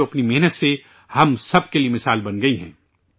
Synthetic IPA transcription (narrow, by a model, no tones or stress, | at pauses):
oɐpnimɛɦnət̪se | hɐmsɐb̚keliemɪsaːlbɐnɡɐiɦɛ̰̃ː